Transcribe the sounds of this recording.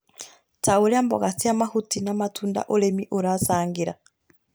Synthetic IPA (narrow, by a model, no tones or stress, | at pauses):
taoɾɛambɔ̰ɣasiamahutinamatʰunda̰ʔolɛmiʔoɾasaːŋɡiɾa̰